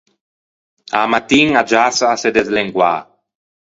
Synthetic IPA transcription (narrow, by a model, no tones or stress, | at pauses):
amat̪iŋad͡ʒasaːsed̪ezleŋɡwa̰